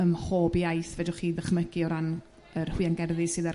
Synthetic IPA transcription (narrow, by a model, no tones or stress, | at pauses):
əmχoːbiajθvɛdʊχiːðəχməɡiɔɾan | ərhwianɡɛrðɨsɨːða